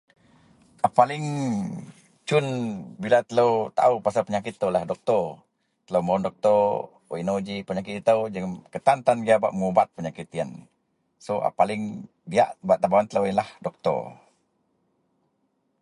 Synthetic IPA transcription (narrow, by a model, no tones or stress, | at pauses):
ʔapalɪŋ | t͡ʃʊnbilat̪ələwt̪a̰upasalpəɲakɪt̪ːəwlahdɔk̚t̪ɔr | t̪ələwmawndɔk̚t̪ɔ | o̰inod͡ʒipəɲakɪt̪it̪əwd͡ʒəŋmkət̪ant̪anɡiaba̰ʔməŋubat̪̚pəɲakit̪iən | soʔa̰palɪŋ | bia̰ʔbuaʔt̪abawant̪ələwinlahdɔk̚t̪ɔ̰r